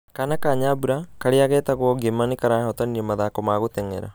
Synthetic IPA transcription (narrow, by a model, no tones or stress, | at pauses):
kanɐkaɲaːbuɾakɐɽijaɡeːt̪ɐɡuoɡemːanikɐɾaːɔt̪ɐnːimɐd̪aːkomaːɡut̪eŋḛɾa̰